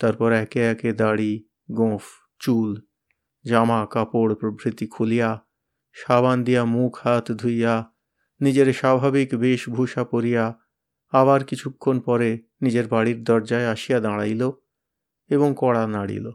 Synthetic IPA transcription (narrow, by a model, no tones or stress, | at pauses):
t̪aɾpɔɾɛkeɛked̪aɽi | ɡõf | t͡ɕul | d͡ʑamakapoɽpɾobʱɾit̪ikʰulija | ʃaband̪ijamukʰhat̪d̪ʱuja | nid͡ʑeɾʃabʱabikbeʃbʱuʃapoɾija | aβaɾkit͡ɕʰukʰːonpɔɾe | nid͡ʑeɾbaɽiɾd̪ɔɾd͡ʑaeaʃijad̪aɽajlo | eβoŋkɔɽanaɽḭlo